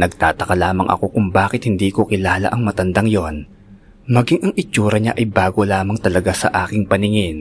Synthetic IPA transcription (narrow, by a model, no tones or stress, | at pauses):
nɐɡ̚t̪aːt̪ɐkɐlaːmɐŋʔɐ̰ko̞kʊŋbaːkɪt̪̚hɪnd̪iːko̞kɪlaːlɐ̰ʔɐŋmɐt̪ɐnd̪aŋjon | mɐɡiŋʔɐŋɪt͡ʃuːɾɐɲa̰ʔɐjbaːɡo̞laːmɐŋt̪ɐlɐɡasɐ̰ʔaːkɪŋpɐnɪŋɪn